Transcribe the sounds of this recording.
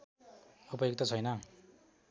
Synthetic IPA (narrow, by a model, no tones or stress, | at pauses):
upʌjoɡ̚t̪ʌt͡sʰʌjnʌ